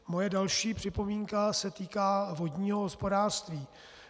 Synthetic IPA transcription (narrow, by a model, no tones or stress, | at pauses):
mo̞jɛdalʃiːpr̝̥ɪpo̞miːŋkasɛt̪iːkaːvo̞dɲiːɦoɦospo̞daːr̥st̪viː